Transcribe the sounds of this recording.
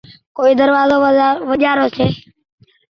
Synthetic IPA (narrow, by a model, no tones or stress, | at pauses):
koːiːd̪əɾʋaːzoːʋəʄaːɾoːseː